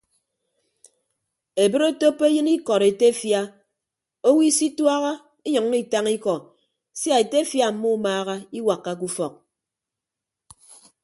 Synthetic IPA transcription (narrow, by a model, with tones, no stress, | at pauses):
e˨bɨ˦ɾo˦to˦pːe˦jɨ˦ni˦kɔ˨ɾe˨te˦fja˦ | o˦wi˦si˦twa˦ɣa˦ | i˦ɲɔ˨ŋ˦i˦ta˦ŋi˦kɔ˨ | sja˦˨e˨te˦fja˨m̩˨˦mu˦maː˦ɣa˦i˦wa˨kːa˦k̬u˦fɔ˨k̚